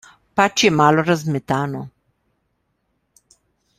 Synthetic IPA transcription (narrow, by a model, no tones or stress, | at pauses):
pat͡ʃjɛmaːlɔɾazmɛt̪aːnɔ